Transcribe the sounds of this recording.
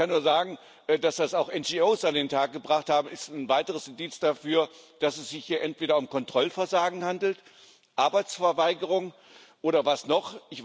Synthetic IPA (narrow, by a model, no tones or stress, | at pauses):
kanːuːɐzaːɡŋ̩ | ʔɛːd̥asd̥asaʊxʔɛnd͡ʒioːsandeːntʰaːk̚ɡ̥əbʁaχthaːbm̩ɪstnvaɪtəʁ̞əsɪndiːt͡sd̥afyːɐd̥asɛsz̥ɪçhiːɐʔɛntv̥eːɾɐʊmkɔntʁ̥ɔlfɛɐzaːɡŋ̩handl̩t | ʔaɐbaɪt͡sfɛɐvaɪɡəʁ̞ʊŋ | ʔoːɾɐvasnɔχʔɪç